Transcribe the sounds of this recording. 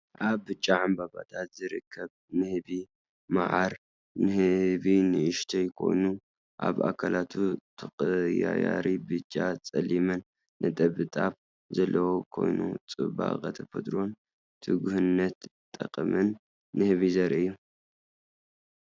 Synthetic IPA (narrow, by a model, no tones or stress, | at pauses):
ʔaβːɨt͡ʃʼːaʕambaβa̰t̪ʰat̪zɨɾɨkʰːɐβ | nɨhɨβi | ma̰ʕaɾ | nɨhɨβinɨʔɨʃt̪ʰɐjkʰo̞̰jnu | ʔaβa̰kʰalat̪ʰut̪ʰɐkʼɨjajaɾibɨt͡ʃʼːat͡sʼɐlimɐnː | ɐt̪ʼɐβɨt̪ʼaβ | zɐlːɐwokʰo̞̰jnṵt͡sʼɨβa̰qʼɐt̪ʰɐfɐd̪ʼɾo̞n | t̪ʰɨɡuhɨnːɐt̪t̪ʼːɐqkʼɐmɐnː | ɨhɨβizɐɾʔiɨjːu